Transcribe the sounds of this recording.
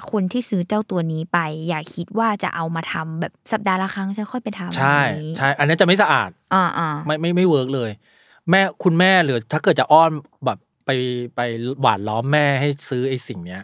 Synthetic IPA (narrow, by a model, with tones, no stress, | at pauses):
kʰo˧nt̪ʰiː˥˩sɯː˦˥t͡ɕa˥˩wt̪u˧ɐniː˦˥pa˧jːaː˨˩k̚ʰːi˦˥t̪̚waː˥˩t͡ɕa̰˨˩ʔa˧wmaː˧t̪ʰa˧mbɛː˨˩p̚sa˨˩p̚daː˧la˧˩xʰa˦˥ŋt͡ɕʰa˦˥nkʰɔ˥˩jpa˧jt̪ʰa˧mt͡ɕʰa˥˩jt͡ɕʰa˥˩jʔa˧nːi˦˥t͡ɕa˨˩ma˥˩sa˧ʔa̰ː˨˩t̪̚ʔɔː˧ʔɔː˧˩ma˥˩jma˥˩jma˥˩jwɤː˦˥k̚lɤː˧j | mɛː˥˩kʰu˧nmɛː˥˩lɯː˩˦t̪ʰaː˥˩kɤ˨˩t̪̚t͡ɕa˨˩ʔɔː˥˩n | bɛː˨˩p̚ːa˧jpa˧jwa̰ː˨˩t̪̚lɔː˦˥mːɛː˥˩ɦa˥˩jsɯː˦˥ʔa˧jsi˨˩ŋni˦˥ɐ